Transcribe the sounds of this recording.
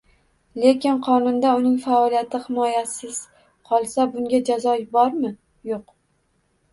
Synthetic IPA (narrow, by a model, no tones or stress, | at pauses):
le̞kʲɪnqʰɒnʊnd̪aʊnɪŋfaɒlˠijat̪ɪhɪmɒjasɪz̥ | qʰɒlˠsabʊŋɡʲad͡ʒazɒjbɒɾmɪ | joq